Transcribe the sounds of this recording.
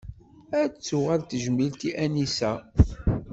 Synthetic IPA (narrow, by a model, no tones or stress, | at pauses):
æt͡sːuʁæɾt̪əʒəmilt̪iʔænisæ